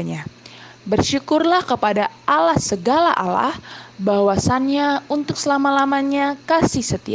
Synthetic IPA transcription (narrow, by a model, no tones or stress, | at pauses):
ɲabərʃukʊrlahkəpadaʔalahsəɡala̰ʔa̰la̰hbawasanɲaunt̪ʊk̚səlamalamaɲakasɪhsət̪ia